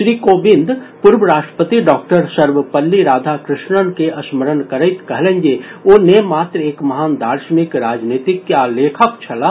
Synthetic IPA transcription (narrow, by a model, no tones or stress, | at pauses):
ʃɾiːkoːbɪ̃nd̪ʱ | pʊɾbəɾaːʃʈə̥pət̪iɖɔːk̚ʈəɾsəɾʋəpəlːiɾaːd̪ʱakɾɪʃnənkeʔɐsməɾənkəɾəɪt̪kɐɦlẽnd͡ʒeoːnemaːt̪ɾeːkmɐɦaːnd̪ʱaːɾʃənɪkɾaːd͡ʒniːt̪ɪkːjaleːkʰəkt͡ʃʰɐla